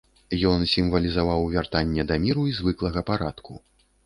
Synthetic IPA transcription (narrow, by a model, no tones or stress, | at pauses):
jɔnsʲimvɐlʲizavawvʲart̪anʲːɛd̪ɐmʲiɾuizvɨklˠɐɣɐpaɾat̪ku